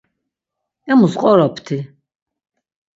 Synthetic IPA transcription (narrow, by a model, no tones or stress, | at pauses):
ɛmusqʼɔɾɔpʰt̪ʰi